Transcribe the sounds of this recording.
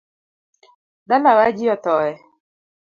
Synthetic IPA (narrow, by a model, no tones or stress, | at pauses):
dalawad͡ʒɪɔt̪ɔɛ